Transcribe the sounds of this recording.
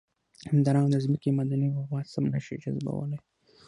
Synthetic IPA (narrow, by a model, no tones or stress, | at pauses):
hamd̪ɑɾaŋd̪əzməkimad̪aniwʊɣwɑsamnaʃid͡ʒa̰zba̰wə̰laj